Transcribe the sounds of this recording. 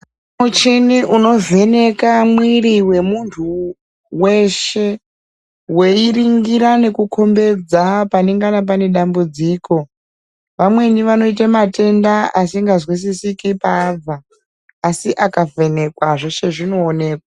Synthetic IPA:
mut͡ʃiniʔuno̞ve̞ne̞kamwiriwe̞muntʰu | we̞ʃe̞ | we̞iriŋɡiɾane̞kukʰo̞mbe̞d͡zapaneŋɡanap̬ane̞ɗambud͡ziko̞ | ʋamwe̞niʋano̞ite̞mate̞ndaasiŋɡazwis̬isikipaːb͡vaː | siʔakave̞ne̞kwaʐoʃe̞ʐino̞ːne̞ːkwa

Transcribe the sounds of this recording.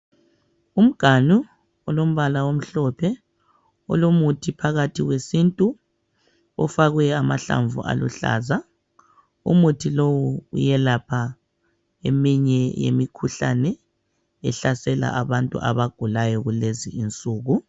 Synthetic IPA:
um̩ɡ̥ʱanu | ɔlom̩βalawom̩ɬɔpʰɛ | ɔ̰lomutʰipʰaɣatʰiɣwesintʼu | ɔ̰faɣwɛamaɬa̰ɱvṵʔa̰lṵɬa̰ːza | ṵmutʰilowuṵjɛlapʰa | emiɲɛjḛmikʰuɬa̰nɛ | ɛɬasɛla̰ʔaβantʼṵʔa̰βaɡ̥ʱulajɔɣuleziːnt͡sʼuːɣu

